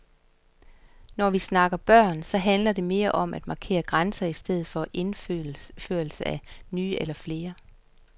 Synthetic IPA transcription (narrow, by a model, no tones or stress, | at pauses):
nɒʋisnɑ̈ɡ̥ɐb̥ɶɐ̰nsɒ̽ɦænlɐde̝me̝ːɐʔɒ̽m̰ʔæd̥mɑ̈kʰe̝̰ːɐɡ̥ʁansɐisd̥eð̞̩ˠfɒ̽ʔenføːɐl̩səænyːʔelɐfle̝ːɐ